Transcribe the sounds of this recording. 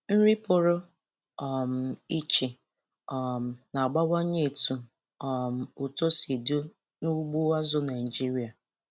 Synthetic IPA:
n̩˦ɾi˦pʊ˨ɾʊ˦ | ɔ˨m̩˨i˦t͡ʃi˨ | ɔ˨m̩˨na˨ɡ͡ba˦wa˦ɲe˦˨tu˨ | ɔ˨m̩˨u˨to˦si˨du˦ | nu˦ɡ͡bu˦a˦zʊ˦na˨i˨d͡ʒi˦ɾi˨˦a˨

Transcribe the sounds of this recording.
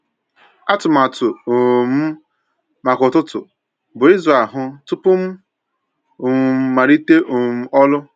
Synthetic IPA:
a˦tʊ˨ma˨tʊ˨m̩˦ | ma˨kʊ˨tʊ˦tʊ̰˨ | bʊ˨i˦zɾa˨ɦʊ˦tʊ˦pʊ˦m̩˦˨ | m̩˨ma˨ɾi˦te˦ʔʊ˨m̩˦ɔ˦lʊ˦

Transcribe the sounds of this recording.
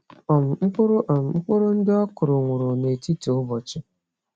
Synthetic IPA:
ɔ˨m̩˨ŋ͡m̩˦k͡pʊ˦ɾʊ˦ʔm̩˨ŋ͡m̩˦k͡pʊ˦ɾʊ˦n̩˦dɪ˦ɔ˦kʊ˨ɾʊ˨ŋʷʊ˨ɾʊ˨ne˨ti˦to˨ʊ˦bɔ˨t͡ʃɪ˦

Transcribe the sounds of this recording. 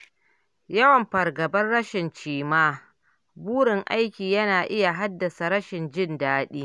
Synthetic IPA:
jɐ˦wɐ˨mɸɐ˨rɡɐ˨bɐ˦nɽɐ˦ʃɪ˨nt͡ʃiː˦maː˦ | buː˦ɽɪ˨ŋʔa˦jkʲiː˨jɐ˦naː˨ʔɪ˦ja˨ɦa˦dːɐ˨sa˨ɾɐ˦ʃɪ˨nd͡ʒɪ˦ndaː˦ɗiː˦

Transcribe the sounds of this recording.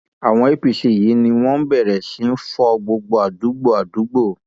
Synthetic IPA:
a˨w̃ɔ̃˧i˦pi˨ʃe˨ji˨˦nĩ˧w̃ɔ̃˦bɛ˦˨ɾɛ˨si˨˦n̩˦fɔ˧ɡ͡bo˧ɡ͡bo˧a˨du˨˦ɡ͡bo˦a˨du˨˦ɡ͡bo˦˨

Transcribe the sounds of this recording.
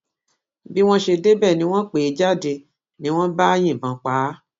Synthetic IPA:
bi˦w̃ɔ̃˦ʃe˧de˦bɛː˦˨nĩ˧˦w̃ɔ̃˦k͡pe˨i˨˦d͡ʒa˦˨de˧˨ | nĩ˨˦w̃ɔ̃˦ba˦j̃ĩ˦˨bã˨k͡pa˨˦

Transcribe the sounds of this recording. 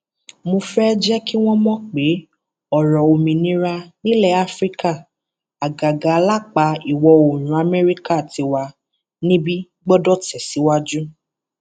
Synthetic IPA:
mõ˧fɛ˦d͡ʒɛ˦ki˦w̃ɔ̃˦mɔ̃˦k͡pe˨˦ | ɔ˨ɾɔ˨o˨mĩ˨nĩ˦ɾa˧nĩ˦lɛ˦˨a˦fɾi˦ka˦˨ | a˨ɡa˨ɡa˨˦la˦k͡pa˨˦i˨wɔ˧o˨ñũ˨˦a˨mɛ˦ɾi˦ka˦˨ti˧wa˧ | nĩ˦bi˦ | ɡ͡bɔ˦dɔ˦˨tɛ˨si˨˦wa˦d͡ʒu˦

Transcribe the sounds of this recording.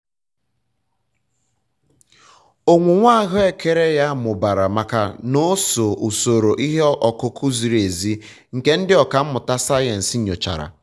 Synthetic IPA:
o˨ŋʷu˨ŋʷa˦˨ɦʊ˦e˨ke˨ɾe˦ja˦mʊ˨ba˨ɾa˨ma˨ka̰˨no˦so˨ʔu˨so˨ɾo˨ʔi˦ɦe˦ʔɔ˨kʊ˨kʰʊ˦zi˨ɾe˨zi˦ | ŋ̩˨ke˦n̩˦dɪ˦ɔ˨ka˨m̩˦mʊ˨ta˦sa˦je˨n̩˨si˦ɲo˨t͡ʃa̰˨ɾa̰˨

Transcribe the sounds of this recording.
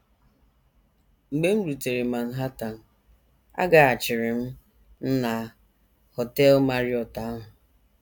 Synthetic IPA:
ŋ͡m̩˨ɡ͡be˦m̩˦ɾu˨te˨ɾe˨ma˨n̩˦ɦa˦ta˨n̩˨ | a̰˦ɡa˨a˨t͡ʃɪ˨ɾɪ˨m̩˦ | n̩˦na˨ | hɔ˨tɛ˦lma˨ɾjɔ˨ta˨a˦ɦʊ˨

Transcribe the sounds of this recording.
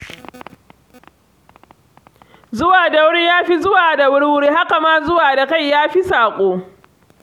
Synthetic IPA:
zʊ˦waː˨da˨wʊ˦ɽi˦jaː˦ɸi˦zʊ˦waː˨da˨wʊ˦ɽwʊ˦ɽiː˦ha˦ka˨maː˦zʊ˦waː˨da˨ka˦˨jːaː˦ɸi˦saː˨kʷʼoː˦

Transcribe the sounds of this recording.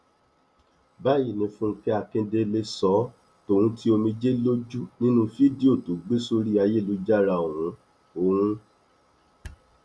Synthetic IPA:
ba˦ji˦˨nĩ˧fũ˦˧ki˦a˨˧˨kẽ˧de˧le˧sɔ˨˦ | to˨ɾ̃ũ˦ti˦o˧mĩ˧d͡ʒe˦lo˦d͡ʒu˦nĩ˦nũ˦fi˦di˦o˦˨tu˨˦ɡ͡be˦so˦ɾi˦a˧je˦˨lu˧˦d͡ʒa˦ɾa˧˨o˨wũ˨˦ | o˧˨ɾũ˦

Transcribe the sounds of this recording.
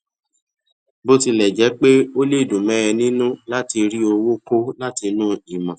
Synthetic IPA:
bo˦ti˧lɛ˨d͡ʒɛ˨˦k͡pe˦o˦le˦˨dũ˨mɛ̃˨˦ɾɛ˧nĩ˦nũ˦la˦ti˧ɾi˦o˧wo˦ko˦la˦ti˧nũː˦i˨mã˨

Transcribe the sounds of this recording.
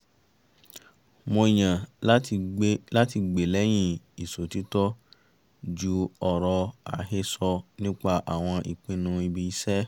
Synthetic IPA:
mo˧i˨j̃ã˨˦˧ | la˦ti˧ɡ͡be˨lɛ˨˦j̃ĩ˦i˨so˨ti˨˦tɔ˦ | d͡ʒu˦ɔ˨ɾɔ˧a̰˨˦he˧sɔ˧nĩ˦k͡pa˧ʔa̰˨w̃ɔ̃˧ʔḭ˨k͡pĩ˧nũ˧i˧bi˧i˦sɛ˦

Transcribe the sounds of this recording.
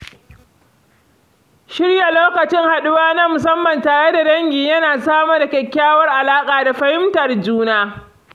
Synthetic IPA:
ʃɪ˦rja˨loː˦kɐ˨t͡ʃɪ˦ŋha˨ɗʊ˦waː˦nɐ˦mʊ˨sɐ˦mːɐ˨ntaː˨ɽe˦da˨ɽɐ˦ŋɡʲiː˨jɐ˦naː˨saː˦ma˦da˨kʲɛ˨kʲːaː˦wɐ˦rʔa˨laː˦kʼaː˨da˨ɸɐ˦hɪ˦mtɐ˨rd͡ʒuː˦naː˦

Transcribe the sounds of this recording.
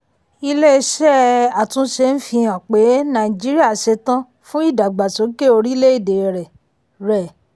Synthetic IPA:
i˧le˦˧ʃɛ˦a˨tũ˨˦ʃe˧n̩˦fĩ˧jã˨k͡pe˨˦nã˨i˨d͡ʒi˦ɾi˦a˦˨ʃe˧˦tã˦ | fũ˦i˦˨da˨ɡ͡ba˨so˨˦ke˦˨o˧ɾi˦le˦i˦˨de˨ɾɛ˨ | ɾɛ˨

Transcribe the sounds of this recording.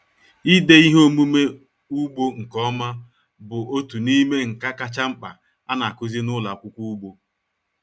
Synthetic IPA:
i˦de˦i˦ɦo˦mu˦me˦ | u˦ɡ͡bo˦ŋ̩˨kɔ˦ma˦ | bʊ˨o˦tu˨ni˦me˦ŋ̩˨ka˦ka˦t͡ʃa˦ŋ͡m̩˦k͡pa˨ | a˦na˨kʊ˦zi˦nʊ˦la˨kʷʊ˦kʷu˦ɡ͡bo˦

